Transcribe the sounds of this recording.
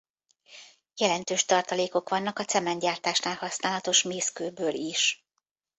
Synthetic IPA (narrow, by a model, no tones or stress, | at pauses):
jɛlɛnt̪øːʃt̪ɒrt̪ɒleːko̞kʋɒnːɒkɒt̪sɛmɛnɟaːrt̪aːʃnaːlhɒsnaːlɒt̪o̞ʃmeːskøːbøːliʃ